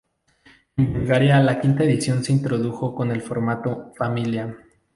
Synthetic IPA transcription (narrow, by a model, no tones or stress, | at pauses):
embulɣaɾjalakint̪ae̞ðisjo̞nse̞int̪ɾo̞ðuxo̞ko̞ne̞lfo̞ɾmat̪ofamilja